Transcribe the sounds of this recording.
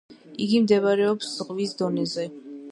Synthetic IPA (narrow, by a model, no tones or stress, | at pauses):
iɡimd̪ɛvaɾɛɔpsz̥ʁvisd̪ɔnɛzɛ